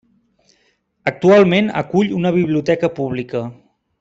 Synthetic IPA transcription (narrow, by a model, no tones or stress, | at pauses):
ək̚t̪ualˠmenə̰kuʎunəβ̞iβ̞liut̪ɛkəpuβ̞likə